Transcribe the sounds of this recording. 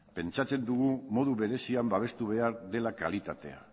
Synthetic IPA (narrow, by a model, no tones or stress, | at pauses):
pe̞nt͡ʃat͡se̞nd̪uɣ̞umo̞ð̞uβe̞ɾe̞siambaβ̞e̞st̪uβ̞e̞aɾðe̞laka̰lit̪at̪e̞a̰